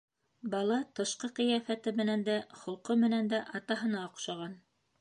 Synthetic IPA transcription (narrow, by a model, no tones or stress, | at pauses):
bɑlˠɑt̪ɤ̆ʃqɤqĭjɑfæt̪ɘmɘ̆nænd̪æχŏlˠqɤmɘ̆nænd̪æʔɑt̪ɑɦɤ̆nɑŏqʃɑʁɑn